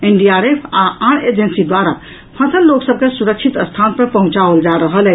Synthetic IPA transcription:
enɖiaɾepʰaaɽed͡ʒensid̪waɾa | pʰasəlːoksəb̚kesuɾək̚t͡ʃʰit̪əst̪ʰanpəɾpəɦũt͡ʃaold͡ʒaɾəɦəlɛ

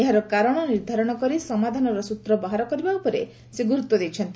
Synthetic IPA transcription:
eɦaɾɔkaɾɔɽ̃ɔniɾd̪ʱaɾɔɽ̃ɔkɔɾisɔmad̪ʱanɔɾɔsut̪ɾɔbaɦaɾɔkɔɾibaupɔɾe | seɡuɾut̪wɔd̪ejt͡ʃʰɔnt̪i

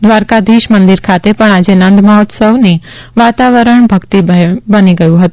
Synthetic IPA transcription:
d̪ʋaɾkad̪iʃmənd̪iɾkʰat̪epəɳad͡ʒenə̃nd̪məɦɔt̪səʋni | ʋat̪aʋəɾəɳbʱəkt̪ibəniɡəjũɦət̪ũ

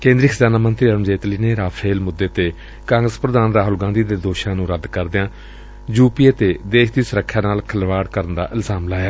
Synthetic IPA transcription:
kẽːnd̪ɾiɪkʰd͡ʒaːnaːmənt̪ɾiːəɾəmd͡ʒeːt̪liːneːɾaːfʰɾeːlmʊd̪ːeːt̪eː | kãːŋɡɾəspɾəd̪aːnɾaːɦʊlɡãːnd̪iːd̪eːd̪oːʃãːnũːɾəd̪kəɾd̪ɪãː | juːpieːt̪eːd̪eːʃd̪iːsʊɾəkʰːjaːnaːlkʰəlʋaːɽkəɾənd̪a̰ːʔɪlzaːmlaːjaː

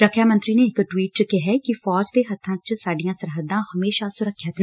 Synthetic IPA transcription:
ɾəkʰjaːmənt̪ɾiːneːɪkʈwiːʈkɪɦɛːkɪfɔːd͡ʒd̪eːɦət̪ʰːãːt͡ʃsaːɖijãːsəɾɦəd̪ːãːhəmeːʃaːsʊɾəkʰːjət̪nː

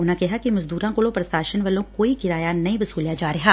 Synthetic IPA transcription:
ʊnãkɛɦakimɐzd̪uːɾãkoɭõpɾɐsaːʃənʋɐlõkkoːikɪɾaːjanɐĩʋɐsuːljad͡ʒaːɾɐɦaː

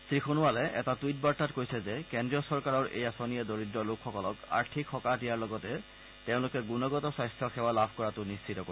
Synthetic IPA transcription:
sɹixunuwalɛɛtatujt̚baɹtatkojsɛzɛkɛndɹiɔsɔɹkaɹɔɹʔḛjasonijɛdoɹidɹɔlokxɔkɔlɔka̰ɹtʰikxɔkadijaɹlɔɡɔtɛ | teʊ̃lʊkɛɡunɔɡɔtɔsajstʰjɔxɛwalabʱkɔɹatʊnistʰitɔko

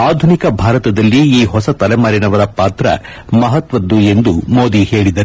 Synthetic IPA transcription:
aːd̪ʱunikɐbʱaːɾɐt̪ɐd̪ɐlːiiːɦɔsɐt̪ɐlɛmaːɾinɐʋɐɾɐpaːt̪ɾɐ̰ | mɐɦɐt̪ʋɐd̪ːue̞nd̪umoːd̪ihe̞ːɭid̪ɐɾ

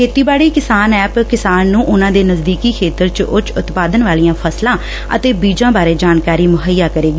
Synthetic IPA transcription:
kʰeːt̪iːbaːɽiːkɪsaːnɛːpkɪsaːnːũːʔʊnãːd̪eːnəzd̪iːkiːkʰeːt̪əɾt͡ʃʔʊt͡ʃʊt̪paːd̪ənʋaːlijãːpʰəslãː | ə̰t̪eːbiːd͡ʒãːbaːɾeːd͡ʒaːnkaːɾiːmʊɦəjːaːkəɾeːɡiː

